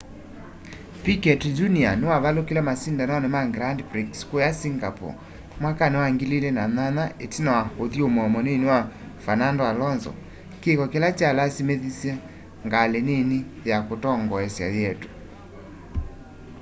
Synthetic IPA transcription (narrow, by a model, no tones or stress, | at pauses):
pikɛtd͡ʒunianewaβalokilɛmasindanɔnemaɡɾandpɾikskojasiŋɡapɔ̰ | mwakanewaŋɡililɛnananaʔetinawaoðiomɔmɔnenewa | fanandoalɔnzɔ̰ | kekɔkelat͡ʃalasimeðisjɛ | ŋɡalenenejakotɔŋɡɔɛsja̰jɛto̥